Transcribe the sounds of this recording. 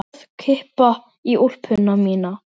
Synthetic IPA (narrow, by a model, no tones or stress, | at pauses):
ðkʰɪhpa | iʔur̥pʰʏnːamiːna